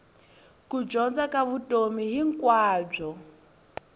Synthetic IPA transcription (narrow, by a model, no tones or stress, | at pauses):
kʼud͡ʒɔnd͡zakʼaβutʼomiɦiŋ̩kʼwaːb͡ʐɔ